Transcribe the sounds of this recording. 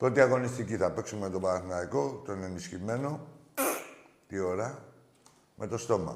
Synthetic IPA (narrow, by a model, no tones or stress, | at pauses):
pɾo̞t̪iɐɣo̞nist̪iciθɐpe̞ksumemt̪o̞bɐɾɐθinɐiko̞t̪oine̞nisçime̞no̞ | t̪io̞ɾɐ | mʔe̞t̪o̞st̪o̞mɐ̰